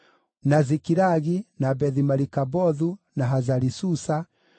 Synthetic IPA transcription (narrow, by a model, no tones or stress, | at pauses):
nazikiɾaɣinabɛðimaɾikabɔðu | naɦazaɾisusa